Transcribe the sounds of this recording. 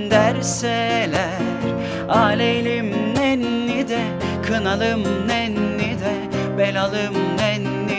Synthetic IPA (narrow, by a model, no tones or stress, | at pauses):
nd̪æɾsɛlʲæ | ɾ | aːlʲelʲimnɛnːid̪ɛ | kʰɯnalˠɯmnɛnːid̪ɛ | bɛlʲalˠɯmnɛnːi